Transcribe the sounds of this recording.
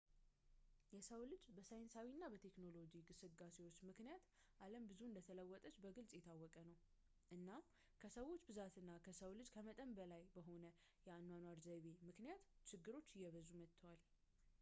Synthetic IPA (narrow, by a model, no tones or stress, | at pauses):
jɛsəwlɨd͡ʒbəsajnsawinːabət̪ʰe̞kno̞lo̞d͡ʒiɡɨsɨɡase̞wo̞t͡ʃːmɨknijat̪ | ʔaləmbɨzuɨnd̪ət̪ʰələwːɔt̪ʼət͡ʃːbəɡɨlsʼjɛt̪ʰawːɔkʼənəw | ʔɨnːam | kʰəsəwo̞t͡ʃːbɨzat̪ɨnːakʰəsəwlɨd͡ʒkʰəmət̪ʼəmbəlajbəɦo̞nə | jɛanːwanwaɾzəβemɨknijat̪t͡ʃɪɡːɨɾo̞t͡ʃːɪjːɛβəzumət̪ʰːəwal